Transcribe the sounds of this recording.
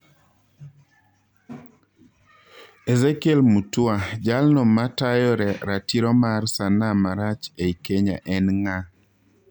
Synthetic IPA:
ezekelmutʊad͡ʒalnɔmatajɔɾɛɾatiɾɔmarsanamaɾat͡ʃeikeɲa̰ʔɛnŋa

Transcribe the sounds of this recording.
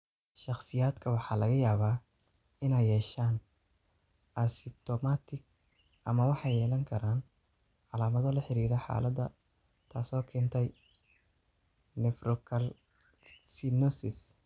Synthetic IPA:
ʃɑχsɪjaːd̪kʰɐwɑħɑːlɐɣɐjaːβaː | ɪnɛjːɛːʃaːn | ʔɐsɪp̚t̪ʰɔmaːt̪ʰɪɡ | ʔɐmɐwɑħɑjɛːlɐŋkʰɐɾaːn | ʕɑlaːmɐðɔlɐħɪɾiːɾɛħɑ̰ːlɐd̪ɐ̰ | t̪ʰaːsɔːkʰɛnt̪ʰɛj | nɛfrɔkʰɐl | sinɔsɪs

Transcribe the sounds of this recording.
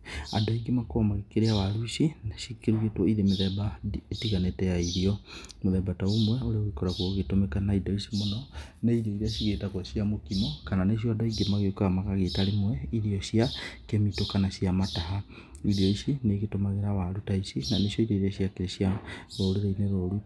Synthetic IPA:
a̰daiɡemakomaɣekeɾeawaɾuisinaʃikeɾuetwɔiɾemeðɛbaetiɣanetɛjaiɾiɔmoðɛbataomwɛoɾeoɣekɔɾakwoɣetomɛkanaidɔisimonɔ | neiɾiɔiɾeaʃiɣetakwɔʃiamokimɔkananeʃ̬jɔadaiɡemaɣekaamaɣaɣetaɾimwɛiɾiɔʃiakemitokanaʃijamataɦa | iɾiɔisineɣetomaɣeɾawaɾutaisinaneʃjɔiɾeiɾiaʃiakeɾeʃiaɾɔɾuɾaineɾɔɾu

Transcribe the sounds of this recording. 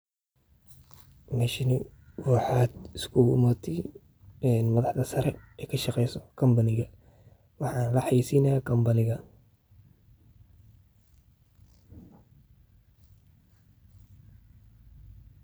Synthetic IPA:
mɛʃɪnɪ | ruːħɑd̪ɪskʰuʊmɔt̪ʰɪ | ɛnmɐðɑħd̪ɐsɐɾɛɛːkʰɐʃɑqɛjsɔkʰɐmbɐnɪɣɐ | wɑħɑːnlɐħɑjisiːnɐjakʰɐmbɐnɪɣɐ

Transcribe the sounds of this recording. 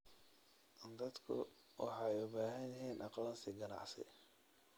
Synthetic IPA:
d̪ɐd̪kʰʊ̰ | wɑ̰ħɑjʊbaːɦɐnjɐɦiːnʔɑqːɐnsɪɡɐnɑ̰ʕsɪ̰

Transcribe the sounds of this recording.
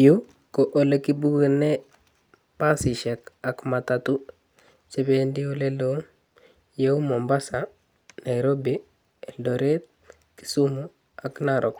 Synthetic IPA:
ju | koʔolekibuɡene | pasiʃekakmatatu | t͡ʃebendioleloŋ | jeumombasa | najɾobi | eldoɾet̪̚ | ki̥sumu | aknaɾʔok

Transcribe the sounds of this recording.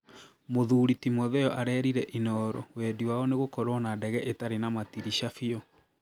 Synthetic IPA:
moðuɾitimɔðɛɔʔaɾɛɾiɾɛʔinɔɾɔ̰wɛdiwaɔneɣokɔɾɔnadɛɣɛʔetaɾenamatiɾiɕafiɔ

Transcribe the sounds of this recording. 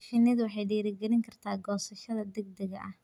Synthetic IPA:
fɪnɪðʊwɑħɑjɖɛːɾɪɡɛlɪŋkʰɐrt̪ʰaːɡɔːsɐʃɐðɐd̪ɛɡ̚d̪ɛɣɐʔɐh

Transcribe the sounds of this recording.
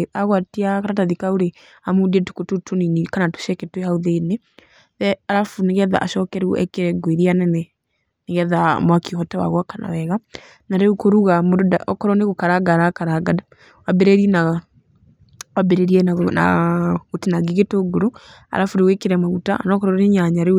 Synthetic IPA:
aɣwatiakaɾataðikauɾe | amudiɛtu̥kotutoninikanatu̥ʃɛketwehauðene | ðɛaɾafuneɣɛða̰ʔaʃɔkɛɾuuʔɛ̰keɾɛɡweɾianɛnɛ | neɣɛða̰mwakiohɔtɛwa̰ɣwakana̰wɛɣa | naɾɛukoɾuɣamododaʔɔkɔɾɔneɣokaɾaɡaɾakaɾaɡada | wabɛɾɛɾiɛna | wabɛɾeɾiɛnana̰ɣotenaɡeɣetoɡoɾo | a̰ɾafuɾewekeɾɛmaɣutaa̰nɔkɔɾɔɾeɲaɲaɾe

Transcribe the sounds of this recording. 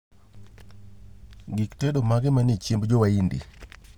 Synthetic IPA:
ɡiktɛdomaɡɪmanɪt͡ʃembd͡ʒowaindḭ

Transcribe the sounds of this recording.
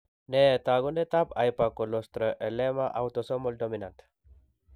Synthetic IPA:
net̪aɡunet̪apajpakolost̪ɾəʔelemaʔawt̪osomoldominant̪

